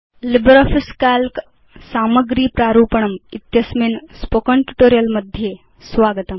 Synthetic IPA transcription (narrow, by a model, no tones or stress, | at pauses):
libɾɔfiskalk | saːmɐɡɾiːpɾaːɾuːpəɳɐmit̪jɐsminspokəɳʈuʈoːɾijɐlmɐd̪ʱje | sʋaːɡət̪ɐm